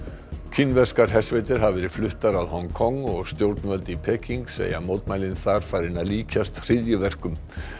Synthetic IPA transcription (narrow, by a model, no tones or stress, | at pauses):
cʰinːvɛ̥skaɾ̥ɦɛ̥svejt̪ɪɾ̥ɦavvɛːɾɪ̥flʏht̪aɾaðhɔŋkʰɔŋːɔɣst̪jowɾt̪nvœlt̪ɪipʰɛːciŋksḛːja̰mowt̪maːjlɪnθaɾ̥faːjɾɪnaðliːcʰast̪r̥ɪðjʏvɛr̥kʏm